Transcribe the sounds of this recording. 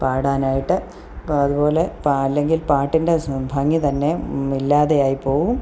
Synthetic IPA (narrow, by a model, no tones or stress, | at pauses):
paːɽaːnaːjiʈːɨ | ɐðupo̞ːle̞pɐlːe̞ŋɡilpaːʈːinde̞bʱɐŋːit̪ɐnːe̞ilːaːðejaːjipo̞ːʋum